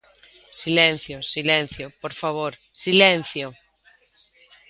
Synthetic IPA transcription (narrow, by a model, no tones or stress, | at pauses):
silẽn̟θjosilẽn̟θjopoɾfaβ̞oɾsilẽn̟θjo